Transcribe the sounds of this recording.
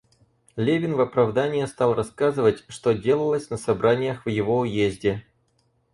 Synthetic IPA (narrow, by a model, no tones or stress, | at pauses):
lʲevʲɪnvɐpɾɐvd̪anʲɪjəst̪ɑlˠrɐskazɨvətʲʂt̪o̞dʲe̞lˠəlˠəsʲnəsɐbɾʔanʲɪjəxvjɪvo̞ʊjezʲdʲɪ